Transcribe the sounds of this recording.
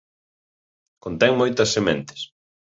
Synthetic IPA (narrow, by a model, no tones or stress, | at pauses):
kont̪ɛŋmojt̪ɐsːemɛ̃nt̪ɪ̥s